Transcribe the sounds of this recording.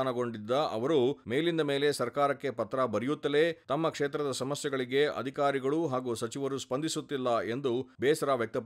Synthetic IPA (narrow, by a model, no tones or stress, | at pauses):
aːnɐɡo̞ɳɖid̪ːɐɐ̰ʋɐɾumeːlind̪ɐme̞ːle̞sɐɾkaːɾɐkːe̞pɐt̪ːɾɐbɐɾijut̪ːɐleːt̪ɐmːɐkʂeːt̪ɾɐd̪ɐsɐmɐsjɛɡɐɭiɡe̞ɐ̰d̪ʱikaːɾiɡɐɭuɦaːɡuːsɐt͡ʃiʋɐɾuspɐnd̪ʱisut̪ːilːɐe̞nd̪ubɛːsɐɾaːʋjɐk̚t̪ɐp